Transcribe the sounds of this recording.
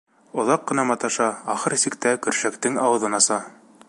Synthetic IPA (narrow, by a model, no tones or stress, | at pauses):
ŏðɑqːɤ̆nɑmɑt̪ɑʃɑːχɤɾsikt̪ækɵ̆ɾʃækt̪ɘŋɑwɤ̆ðɤnɑsɑ